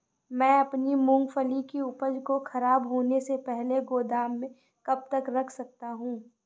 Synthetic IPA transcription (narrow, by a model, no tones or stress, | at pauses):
mɛ̃ːɐpnimʊ̃ŋɡfəlikiʊpəd͡ʒkoxɐɾaːbɦoːnesepɛɦleɡoːd̪aːmːẽ | kɐb̚t̪ɐkɾɐkʰsɐk̚t̪aɦũː